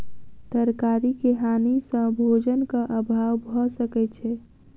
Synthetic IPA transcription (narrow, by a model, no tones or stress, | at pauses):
t̪əɾkaːɾikeɦaːnisə̃bʱod͡ʒənkaʔəbʱaːwbʱɔsəkɛt͡ʃʰɛ